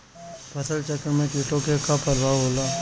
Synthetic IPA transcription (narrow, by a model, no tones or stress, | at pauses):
pʰəsəlt͡ʃəkːəɾmẽkɪʈõkekapəɾbʱaːɦoːlaː